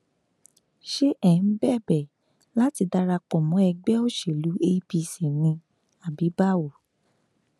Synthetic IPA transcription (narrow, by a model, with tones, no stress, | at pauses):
ʃe˦ʔɛ˨ñ̩˦bɛ˦˨bɛ˨ | la˦ti˧da˧ɾa˧k͡pɔ˨mɔ̃˨˦ɛ˧ɡ͡bɛ˦o˦˨ʃe˨lu˨˦e˧˦pi˧si˨nĩ˧ | a˨bi˨˦ba˦˨wo˨